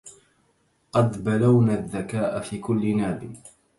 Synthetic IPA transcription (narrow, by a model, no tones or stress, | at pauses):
qɑd̪balawnaðːakaːʔafiːkʊlːɪnaːbɪ